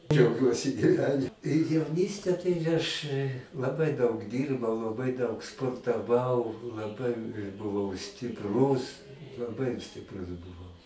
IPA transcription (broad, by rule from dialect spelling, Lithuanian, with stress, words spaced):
d͡ʒʲɛʊˈɡʲuɔsʲɪ ɡʲiːˈʋʲæːnʲɪ jɛʊˈnʲiːsʲtʲɛ tɐɪ ɐʃ lˠɐˈbɐɪ dɐʊk ˈdʲiːrbɐʊ lˠɐˈbɐɪ dɐʊk spoːrtɐˈʋɐʊ lˠɐˈbɐɪ bʊˈʋɐʊ sʲtʲɪpˈruːs lˠɐˈbɐɪ sʲtʲɪpˈrʊs bʊˈʋɐʊ